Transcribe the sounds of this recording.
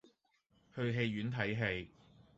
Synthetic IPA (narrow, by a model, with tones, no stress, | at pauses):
hɵ˧ɥɦe˧jɥyː˨˥nt̪ʰɐ˨˥jɦe˧j